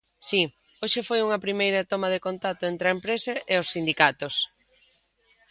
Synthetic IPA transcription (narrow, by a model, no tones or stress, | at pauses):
si | oʃɪfojuŋɐpɾimejɾɐt̪omɐðekont̪at̪ʊent̪ɾɐempɾesɐʔeosːind̪ikat̪os